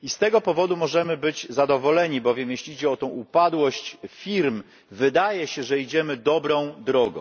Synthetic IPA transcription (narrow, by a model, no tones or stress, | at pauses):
ist̪ɛɡɔpɔvɔd̪umɔʐɛmɘbɘd͡ʑzad̪ɔvɔlɛɲibɔvʲjɛmjeɕlʲid͡ʑɛɔt̪ɔ̃w̃ʔupad̪wɔɕt͡ɕfʲiɾm | vɘd̪ajɛɕɛʐɛid͡ʑɛmɘd̪ɔbɾɔ̃w̃d̪ɾɔɡɔ̰̃w̃